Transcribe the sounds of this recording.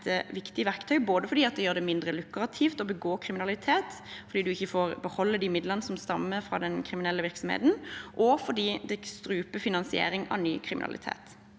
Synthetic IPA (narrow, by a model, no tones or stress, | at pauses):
əʋɪkt̪ɪəʋæɾkt̪ʰœʏboːd̪əfɔɾd̪iːɑt̪̚d̪ɛjøːd̪ɛmɪnd̪ɾəlʉkɾɑt̪ʰiːft̪ɔbəɡoːkʰɾɪmɪnɑlɪt̪ʰeːt̪ | fɔɾd̪iːd̪ʉɪçːəfoːɾbəhɔlːəd̪ɪmɪd̪ləʁnəsɔmst̪ɑ̰mːəfɾɑ̰ːd̪ɛnkʰɾɪmɪnɛlːəʋɪɾksɔmhḛːt̪n̩ʔɔfɔd̪iːd̪ɛst̪ɾʉːpəfɪnɑnsɪḛːɾɪŋɑ̰ʋny̰ːkʰɾɪmɪ̰nɑ̰lɪ̰t̪ʰḛːt̪